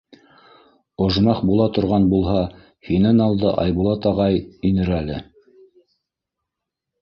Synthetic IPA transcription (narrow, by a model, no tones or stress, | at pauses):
ŏʒmɑχbulˠɑt̪ŏɾʁɑnbulˠhɑ | hinɘnɑlˠd̪ɤʔɑ̰jβulˠɑt̪ɑʁɑjinɘ̆ɾælɘ